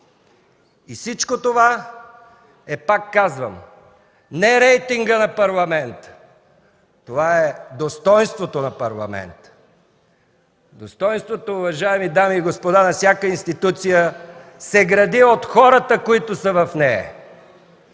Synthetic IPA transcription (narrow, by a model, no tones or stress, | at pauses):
isit͡ʃkot̪ova | ɛpakːazvəm | nɛɾɛjt̪iŋɡənɐpɐɾlˠɐmɛnt̪ə̥ | t̪ovaɛd̪ost̪ɔjnst̪vot̪onɐpɐɾlˠɐ̰mɛ̰nt̪ | d̪ost̪ɔjnst̪vot̪oʊvɐʒaɛmid̪amiːɡospod̪anɐfsʲjakəinst̪it̪ut̪sijəsɛɡɾɐd̪iot̪xɔɾət̪əkoit̪ʊsəvɐfnɛɐ̰